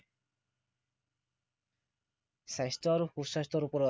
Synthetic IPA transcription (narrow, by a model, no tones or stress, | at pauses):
sajstɔaɾuxusajstɔɾupɔɾɔ